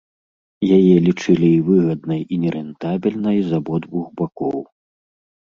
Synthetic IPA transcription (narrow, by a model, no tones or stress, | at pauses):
jajɛlʲit͡ʂɨlʲiːvɨɣɐd̪nɐjinʲɛɾɛnt̪abʲilʲnɐjzabɔd̪vuɣbakɔw